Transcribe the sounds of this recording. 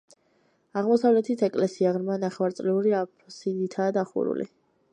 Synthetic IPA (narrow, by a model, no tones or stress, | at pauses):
aʁmɔsavlɛt̪ʰit̪ʰɛkʼlɛsiaʁɾmanaχɛwaɾt̪sʼlɛuɾiapʰsid̪it̪ʰaːd̪aχṵɾṵlḭ